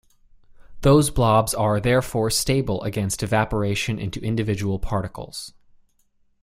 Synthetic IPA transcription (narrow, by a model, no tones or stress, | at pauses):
ðoʊzblɑbzə˞ðɛɹfɔɹsteɪbl̩ˠə̰ɡɛ̃nstɨvæpə˞eɪʃɨ̃nʔɪ̰̃ntʉʔɪ̃ndɨvɪd͡ʒəwl̩ˠpʰɑɹɾɨkl̩ˠz̥